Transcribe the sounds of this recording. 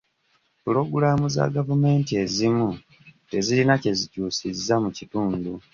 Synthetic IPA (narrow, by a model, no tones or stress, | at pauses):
pulo̞ɡulamuza̰ɡavume̞ːntie̞zimu | te̞zilinace̞zicuːsizːamucituːndu